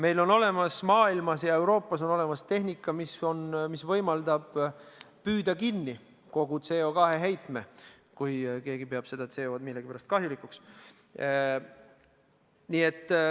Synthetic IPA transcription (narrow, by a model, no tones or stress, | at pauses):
me̞jlo̞no̞le̞mɑsmɑːilmɑsjɑe̞wɾo̞ːpˑːɑso̞no̞le̞mɑst̪e̞ɦnikːˑɑmiso̞nmisvɤjmɑld̪ɑb̥ | pyːd̪̥ɑkinːi | ko̞ɡ̥ut̪seo̞kɑɦe̞ɦe̞jt̪me̞ | kujke̞ːɡipe̞ɑb̥se̞d̪̥ɑt̪seːod̪milːeɡipæɾɑst̪kɑɦjulikːˑuks | niet̪ːˑ